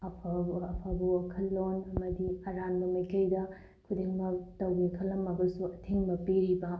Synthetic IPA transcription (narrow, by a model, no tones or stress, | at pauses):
ɐpʰɐpʰabuɐkʰɐlːonɐmɐdiɐɾanbɐmɐjkɐjdɐ | kʰudiŋmɐtɐwbikʰɐlɐmɐbɐsuɐtʰiŋbɐpiɾibɐ